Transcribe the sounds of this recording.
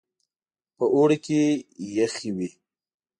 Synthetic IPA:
pəʔoɽekejaxiwi

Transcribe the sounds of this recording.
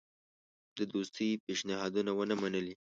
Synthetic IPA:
d̪əd̪ost̪ipeʃnɪɦɑd̪unawənamanəli

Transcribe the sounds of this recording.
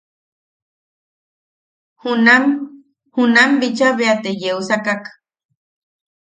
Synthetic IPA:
hunam | hunambit͡ʃaβeat̪ejeusakak

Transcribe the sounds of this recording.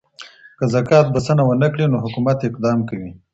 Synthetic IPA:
kəzakɑt̪̚basənawənəkɽinoɦʊkumat̪ɪq̚d̪ɑmkawi

